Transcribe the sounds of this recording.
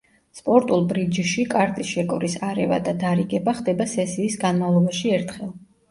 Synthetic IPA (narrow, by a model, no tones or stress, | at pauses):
spʼɔɾt̪ʼulˠbɾid͡ʒʃikʼaɾt̪ʼisʃɛkʼɔɾisaɾɛva̰d̪ad̪aɾiɡɛbaχd̪ɛbasɛsiːsɡanmavlˠɔbaʃiɛɾt̪ʰχɛlˠ